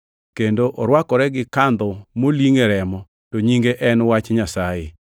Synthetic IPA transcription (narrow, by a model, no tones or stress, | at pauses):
kendoʔɔɾwakɔɾɛɡɪkand̪ɔmoliŋeɾɛmɔ | toɲiŋɡeʔɛnwat͡ʃɲasaje